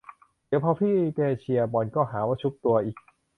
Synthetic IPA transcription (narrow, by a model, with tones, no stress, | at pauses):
d̪i˨˩˦əwpʰɔ˧t̪ʰiː˥˩k̪eː˧t͡ɕʰi˧ɐbɔː˨˩nkɔː˥˩ɦaː˩˦waː˥˩t͡ɕʰu˦˥p̚t̪u˧ɐʔiː˨˩k̚